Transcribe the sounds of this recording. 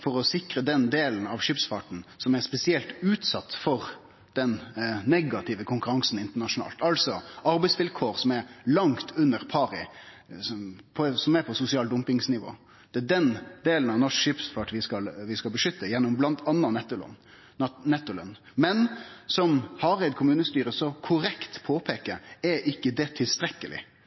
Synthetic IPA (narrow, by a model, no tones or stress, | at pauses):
fɔɾɔsɪkɾəd̪ɛnd̪eːlnɑʋʂɪːpsfɑʈn̩sɔmɛɾspɛsɪɛlt̪ʉːt̪sɑt̪ːfɔɾ | d̪̥ɛnːɛɡɑt̪ʰɪʋəkʰʊŋkʉɾɑŋsn̩ɪnt̪əɳɑʂʊnɑ̰ːlt̪ɑlsɔʔɑɾbɛɪsʋɪlkʰoːɾsɔmɛɾlɑŋt̪ʰʉnːəʁpʰɑːɾɪ | pʰɔsɔmɛpʰɔsʊsɪɑːld̪ʊmpɪŋsnɪʋo̰ː | d̪̥ɛd̪ɛnd̪eːlənɑʋnɔʂkʂɪpsfɑʈʋɪskɑlʋɪskɑlbəʂʏt̪ːəjɛnːɔmblɑnt̪ʰɑnːɑnɛt̪ːʊl̰n | nɛt̪ːʊlə̰n | mɛnsɔmhɑɾɛɪt̪̚kʰʊmʉːnəst̪yːɾəsɔkʰʊɾɛkt̪pʰoːpʰeːkəɾɛʔɪkːəd̪ɛt̪ʰɪlst̪ɾɛkːəlɪ̰